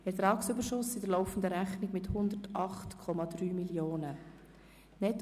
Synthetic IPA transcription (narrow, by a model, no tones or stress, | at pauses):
ɛɾt̪ɾɑːksʏbəɾʃʊsɪd̥əlɔʊfən̩d̪əɾæχnɪɡmɪthʊnd̪ətɑχtkʰɔmɑdɾyːmiljoːnə | nɛt